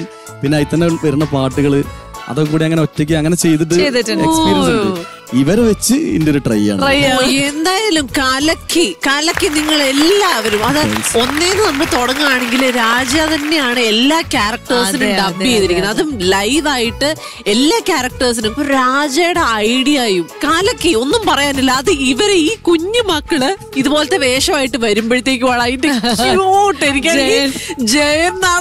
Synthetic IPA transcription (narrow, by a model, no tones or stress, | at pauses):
pinːeːit̪ːɐnːeʋɐɾunːɐpaːʈːuɣɐɭɨ | ɐ̰ðok̬ːuːɽiɐŋːɐneotːɐkʲːɨɐŋːɐne̞t͡ɕe̞jt̪̬iʈ̬ːɨet̪ːiesppiːɾɐns | iʋɐɾeʋet͡ɕːɨḭndoɾuʈrɐ̰ja̰ːɳrɐjaend̪aːjɐlumkaːlɐkʰːikaːlɐkːiniŋːɐɭe̞lːaːʋɐɾumɐðɨo̞nːeːðɨnɐmːuɭɨt̪o̞ɽɐŋːɨaːɳe̞ŋɡilɾaːd͡ʑjaːt̪ɐnːe̞jaːɳɨelːaːkʲaːrɐk̚ʈɐrs̬inuɖɐbːijejðiɾikʲːunːɐɐðumlɐjʋaːjiʈːɨ | e̞lːaːkʲaːɾɐk̚ʈɐrs̬inumpoɾaːd͡ʑaːjuɽeɐjɽijaːjumkaːlɐkːeo̞nːumpɐrɐjaːnilːɐːðɨiʋɐɾeiːkuɲːumɐkːɐɭɨ | iðupo̞ːlɐt̪ːeʋe̞ːʂɐmaːjiʈːɨʋɐɾumbɐɻit̪ːe̞ːk̬ʲːɨʋɐɭaːjindekoːʈːenikʲːaːɡid͡ʑejɐnnaː